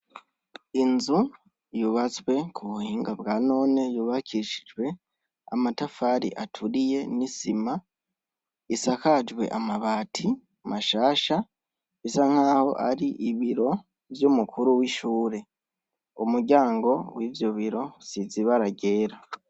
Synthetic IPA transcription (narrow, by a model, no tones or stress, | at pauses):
inzu | juβat͡swe̞kʰuβuhiːŋɡabɡaːno̞ːne̞juβakʰiʃid͡ʒwe̞ | a̰matafaɾḭʔatʰuɾije̞nisima | isakad͡ʒwe̞̰ʔamaβaːtʰi | maʃaːʃa | isaŋ̥haːho̞ʔaɾiʔiβiɾo̞ | vjumukʰuɾuwiʃuːɾe̞ | umuɾɟaːŋɡo̞wiːvjoβiɾo̞siziβaɾaɟe̞ːɾa